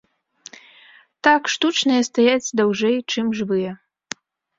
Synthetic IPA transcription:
t̪akʂt̪ut͡ʂnɐjɐst̪ajat͡sʲd̪awʐɛjt͡ʂɨmʐbɨjɛ

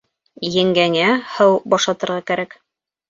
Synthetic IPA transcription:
jɘ̆ŋɡæŋæhɤwbɒʃlˠɑt̪ɤ̆ɾʁɑkæɾæk

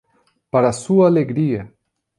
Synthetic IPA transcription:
paɾasuaːleɡɾiɐ

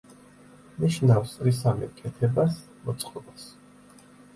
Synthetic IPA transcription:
niʃnafsɾis̬amɛ̰kʼɛt̪ʰɛbas | mɔt̪sʼqʼɔbas

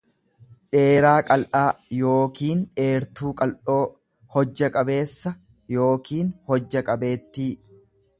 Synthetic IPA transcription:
ᶑe̞ːɾaːkʼɐlʔaːjo̞ːkiːnᶑe̞ːɾt̪uːkʼɐlʔo̞ː | hɔd͡ʒːɐkʼɐbe̞ːsːɐ | jo̞ːkiːnhɔd͡ʒːɐkʼɐbe̞ːt̪ːiː

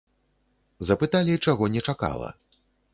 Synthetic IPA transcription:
zɐpɨt̪alʲit͡ʂaɣɔnʲɛt͡ʂaka̰lˠɐ̰

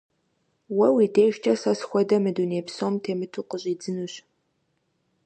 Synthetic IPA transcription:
wɐwideːʃt͡ʃʰʼɐsɐsxʷɔdɐmɨduːneːpsoːmtʰeːmɨtʰuqəɕʼiːd͡zɨnuːɕ

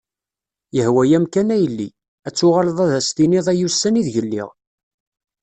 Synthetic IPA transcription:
jəhwæjæmkænæjəlːi | æt͡sːʊʁaləðˤæðæst̪iniðˤæjusːæniðʝəlːɪ̰ʁ

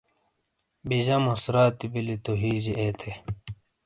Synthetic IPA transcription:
biʑɐmusɾaːt̪ibilit̪oɦiːd͡ʑiʔet̪ʰe

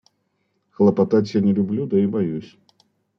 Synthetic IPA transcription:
xlˠɐpɐt̪atʲjanʲɪlʲʊblʲud̪ɐibɐjusʲ

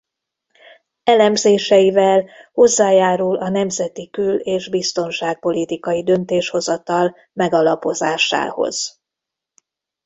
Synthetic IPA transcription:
ɛlɛmzeːʃɛjivɛlho̞zːaːjaːɾulɒnɛmzɛt̪ikyleːʒbist̪o̞nʃaːk̚po̞lit̪ikɒjid̪ø̞nt̪eːʃho̞zɒt̪ɒl | mɛɡɒlɒpo̞zaːʃa̰ːho̞̰z̥

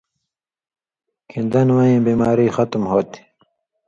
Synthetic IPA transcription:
kʰind̪ɐnwɐĩːbimaːɾiːxɐt̪mɦoːt̪i̥

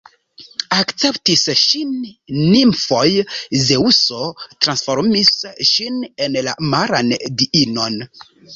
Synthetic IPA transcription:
akt͡se̞ptisʃinːimfo̞jzeusotɾansfoɾmisʃinenla̰maɾandiʔino̞n

